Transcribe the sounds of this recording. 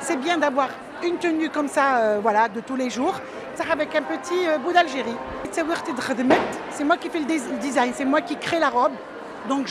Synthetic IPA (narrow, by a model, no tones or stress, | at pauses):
sɛbjɛ̃d̪avwaʁ | ynt̪ənykɔmsaøvwalad̪ət̪uleʒuːʁ | saavɛkɛ̃pət̪ʰiøbud̪alʒeʁit̪sawiʁt̪ed̪ʁd̪mɛt̪sɛmwakʲifɛlələd̪izajnsɛmwakʲikχelaʁɔb | d̪ɔ̃kʒ